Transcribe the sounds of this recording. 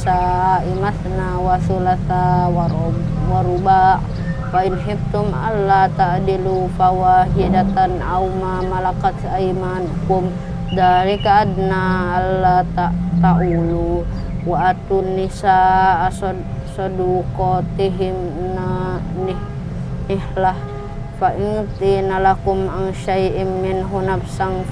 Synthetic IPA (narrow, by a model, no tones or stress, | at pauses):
saimaθnawasulaθawaɾ | waɾubaʔ | fainħib̚t̪umalːat̪aʔd̪ilufawaɦiadat̪anʔawmamalakat̪ajmankum | d̪aɾikaːd̪naʔalːat̪aʔt̪aʔulu | waʔat̪unːisaʔs | sɔdukɔt̪iɦɪmnanɪh | nɪhlah | faʔɪŋt̪inalakʊmʔaŋʃajʔɪmːɪnɦunabsaŋ